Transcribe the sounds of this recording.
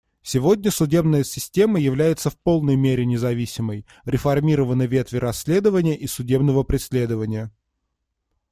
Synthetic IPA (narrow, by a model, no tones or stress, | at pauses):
sʲɪvo̞dʲnʲəsʊdʲe̞bnəjəsʲɪsʲtʲe̞məjɪvlʲæjɪt̪səfpo̞lˠnəjmʲeɾʲɪnʲɪzɐvʲisʲɪməj | ɾʲɪfɐrmʲiɾəvənəvʲe̞t̪vʲɪɾɐsʲːlʲe̞d̪əvənʲɪjəʔisʊdʲe̞bnəvəpɾʲɪsʲlʲe̞d̪əvənʲɪjə